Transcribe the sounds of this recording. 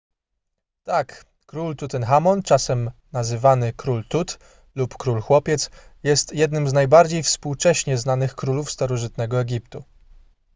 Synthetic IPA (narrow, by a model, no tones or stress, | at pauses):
t̪ak | kɾult̪ut̪ɛnxamɔnt͡ʂasɛmnazɘvanɘkɾult̪ut̪ | lupkɾulxwɔpʲjɛt̪sjɛst̪jɛd̪nɘmznajbaɾd͡ʑejfspuwt͡ʂɛɕɲɛznanɘxkɾulufst̪aɾɔʐɘt̪nɛɡɔɛɡʲipt̪u